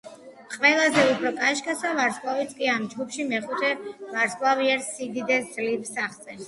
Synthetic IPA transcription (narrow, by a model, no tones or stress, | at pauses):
qʼwɛlˠazɛupʰɾɔkʼaʃkʼasavaɾskʼlˠavit̪sʰkʼiamd͡ʒɡupʃimɛχut̪ʰɛvaɾskʼlˠaviɛɾsid̪id̪ɛd̪zlipsaχt̪sʼɛs